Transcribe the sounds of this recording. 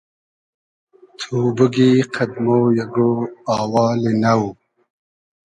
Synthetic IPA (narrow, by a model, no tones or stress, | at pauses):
t̪ʰuːbuɡiqʰad̪moːjaɡoaːwɑːlinaw